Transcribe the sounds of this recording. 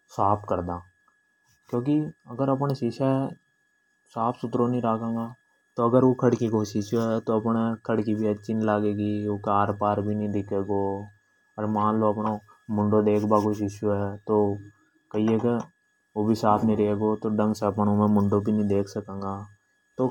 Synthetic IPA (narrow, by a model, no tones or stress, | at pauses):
saːpʰkəɾd̪ãː | kjõːkiɐɡəɾɐp̬ɳaʃɪʃa | saːpʰsʊt̪ɾonəĩɾaːkẽːŋɡaː | t̪oɐɡəɾokʰəɽkikoːʃɪʃɦɛt̪oɐpnkʰəɽkibʱiɦɛt͡ʃinlaːɡeːɡiokaːɾpaːɾbʱinɐĩd̪ɪkʰeːɡoː | əɾmãːnloɐpno | mʊ̃ɳɖod̪eːkʰbakʊt͡ʃɪʃuɦɛːt̪oː | kɐieke | oːbʱisaːpʰnəĩɾeɦeɡoːt̪oɖɐ̃ŋɡsɛɐpnomẽmʊ̃ɳɖobʱinəĩd̪eːkʰsəkẽːŋɡaː | t̪oː